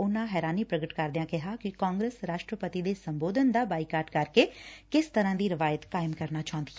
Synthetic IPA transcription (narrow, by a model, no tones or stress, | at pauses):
ʊnãɦɛːɾaːniːpɾəɡəʈkəɾd̪jãːkɪɦaːkɪkãːŋɡɾesɾaːʃʈɾəpət̪id̪eːsəmboːd̪ənd̪aːbaːikaːɖkəɾkeːkɪst̪əɾãːd̪iːɾɪʋaːjət̪kaːɪmkəɾnaːt͡ʃaɦõnd̪iː